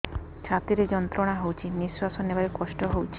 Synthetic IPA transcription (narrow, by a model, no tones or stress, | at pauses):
t͡ʃʰat̪iɾed͡ʒɔnt̪ɾɔɽ̃aɦowt͡ʃʰinisasɔnebaɾekɔsʈɔɦowt͡ʃʰi̥